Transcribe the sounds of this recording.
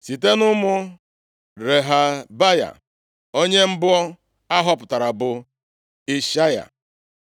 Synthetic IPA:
si˨te˦nʊ˦mʊ˦ | ɾe˨ɦa˨ba˦ja̰˨ | o˦ɲe˦m̩˦bʊ˦ɔ˦ | a˦ɦɔ˦pʊ˨ta˨ɾa˨bʊ˨ | i˦ʃa˦ja̰˨

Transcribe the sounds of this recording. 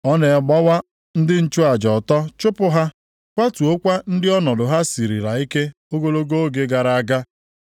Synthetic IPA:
ɔ˦ne˨ɡ͡ba˦wa˦ | n̩˦dɪ˦n̩˦t͡ʃʊ˦a˨d͡ʒɔ˨tɔ˦t͡ʃʊ˦pʊ˦ɦa˦ | kʷa˦tu˨o˦kʷa˦n̩˦dɪ˦ɔ˦nɔ˨dʊ˨ɦa˦si˨ɾḭ˨ɾa˨i˦ke˦ | o˦ɡo˦lo˦ɡo˦ɡe˦ɡa˨ɾa˨a˦ɡa˦

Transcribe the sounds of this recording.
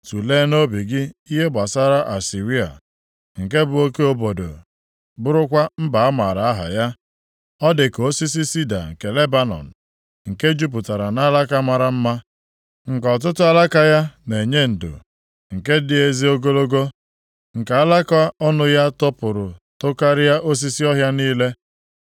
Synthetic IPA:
tu˨le˦no˦bi˨ɡɪ˦i˦ɦe˦ba˨sa˦ɾa˦ʔa˨si˨ɾi˦a̰˨ | ŋ̩˨ke˦bʊ˨o˦ke˦o˦bo˨do̰˨ | bʊ˦ɾʊ˦kʷa˦m̩˦ba˨a˦ma˨ɾa˨a˦ɦa̰˨ja˦ | ɔ˦dɪ˨ko˦si˦s̬i˦si˦da̰˨ŋ̩˨ke˨le˦ba˦nɔ̰˨n̩˨ | ŋ̩˨ke˦d͡ʒu˦p̬ʊ˨ta˨ɾa˨na˦la˦ka˦ma˨ɾa˦m̩˦ma˦ | ŋ̩˨kɔ˨t̬ʊ˦tʊ˦a˦la˦ka˦ja˦ne˨ɲe˦n̩˨dʊ̰˨ | ŋ̩˨ke˦dɪ˦e˨zi˦o˦ɡo˦lo˦ɡo˦ | ŋ̩˨ka˨a˦la˦ka˦ɔ˦nʊ˦ja˦tɔ˦pʊ˨ɾʊ˨to˦ka˦ɾɪ˦ja˦ʔo˦s̬i˦si˦ɔ˦ɦja˦niː˦le˦

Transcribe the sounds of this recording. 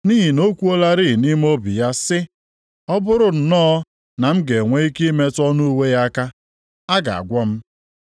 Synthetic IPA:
ni˦ɦi˨no˦kʷu˦o˦la˦ɾi˦i˨ni˦m̩˦o˦bi˨ja˦sɪ˦ | ɔ˦bʊ˦ɾʊ˦n̩˨nɔː˦ | na˨m̩˦ɡe˨ŋʷe˦i˦ki˦i˦me˦tɔ˦nu˦u˦we˦ja˦ka˦ | a˦ɡa̰˨a̰˨ɡʷɔ˦m̩˦

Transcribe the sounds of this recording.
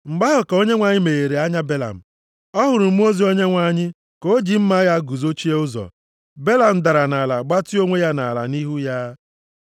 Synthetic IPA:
m̩˨ɡ͡ba˦ɦʊ˨ko˦ɲe˦ŋʷa˨ɲɪ˦me˨e˨ɾe˨a˦ɲa˦be˦la̰˨m̩˨ | ɔ˦ɦʊ˨ɾʊ˨m̩˦o˦zi˨o˦ɲe˦ŋʷa˦ɲɪ˦ | ko˦d͡ʒi˨m̩˦ma˦ja˦ɡu˨zo˦t͡ʃi˦e˦ʊ˦zɔ̰˨ | be˦la˨m̩˨da˨ɾa˨na˨la˨ɡ͡ba˦ti˦o˦ŋʷe˦ja˦na˨la̰˨ni˦ɦu˦ja˦

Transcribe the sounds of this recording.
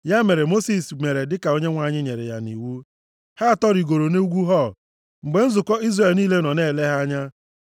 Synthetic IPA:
ja˦me˨ɾe˨mo˦si˨sme˨ɾe˨dɪ˦ka˨o˦ɲe˦ŋʷa˨ɲɪ˦ɲe˨ɾḛ˨ja˦nḭ˨wu˦ | ha˦a˨tɔ˦ɾi˨ɡo˨ɾo˨ne˦u˦ɡʷu˦ɦɔ˦˨ | ŋ͡m̩˨ɡ͡be˨n̩˦zʊ˨kɔ˦i˦zre˦˨lniː˦le˦nɔ˨ne˦˨le˦ɦa˦ɲa˦

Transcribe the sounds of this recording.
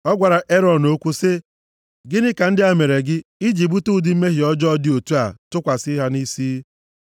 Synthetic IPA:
ɔ˦ɡʷa˨ɾa˨ʔe˦ɾɔ˨n̩o˦kʷu˦se˦ | ɡɪ˦nɪ˦ka˨n̩˦dɪ˦a˦me˨ɾe˨ɡɪ˦i˦d͡ʒi˨bu˦tu˦dɪ˨m̩˦me˦ɦɪ˨ɔ˦d͡ʒɔ˦ɔ˦dɪ˦o˨tu˦a˨tʊ˦kʷa˨sɪ˦ɦa˦ni˦siː˦

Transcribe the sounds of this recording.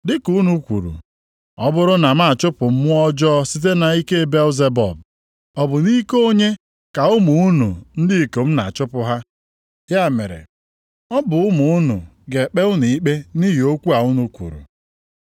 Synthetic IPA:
dɪ˦ku˦nu˦kʷṵ˨ɾṵ˨ | ɔ˦bʊ˦ɾʊ˦na˨m̩˦a˦˨t͡ʃʊ˦pʊ˨m̩˦mʊ˦ɔ˦d͡ʒɔ˦si˦t̬e˦na˨i˦ke˦be˦lze˦bɔ̰˨b̚ | ɔ˨bʊ˨ni˦ko˦ɲe˦ | ka˨ʊ˦mu˨u˦nṵ˨n̩˦di˦i˨ko˨m̩˦na̰˨t͡ʃʊ˦pʊ˦ɦa˦ | ja˦˨mḛ˨ɾḛ˨ | ɔ˦bʊ˨ʊ˦mʊ˨ʊ˦nṵ˨ | ɡe˨k͡pe˦ʊ˦ni˨i˦k͡pe˦ni˦ɦi˨o˦kʷu˦a˨ʊ˦nu˨kʷṵ˨ɾṵ˨

